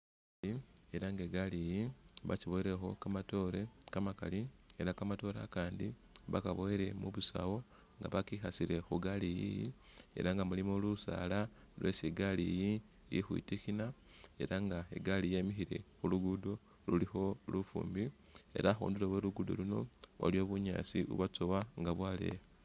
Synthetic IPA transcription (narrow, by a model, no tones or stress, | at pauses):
ie̞ɾaŋɡeɡalijiβa̰ciβo̞eɾe̞xo̞kamato̞ːɾe̞kamaka̰lie̞ɾakamato̞ːɾa̰kaːndi | βa̰kaβo̞eɾe̞muβusa̰wo̞ | ŋɡa̰βakixasiɾe̞xuɡalijḭjḭe̞̰ɾaŋɡamulimolusa̰la | lwesiɡaliji | jḭxwḭtixina | e̞ɾaŋɡaḛɡalije̞mixiɾe̞̰xuluɡudo̞ | lulixo̞lufṵːmbie̞̰ɾaxṵːnduleweluɡudo̰luno̞̰wa̰lio̞βuɲa̰ːsiṵβat͡sowaŋɡaβwaːle̞̰